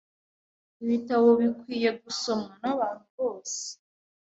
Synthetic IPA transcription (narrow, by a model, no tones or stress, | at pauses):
iβitawo̞βikwiːje̞ɡuso̞manaβaːn̥huβo̞ːse̥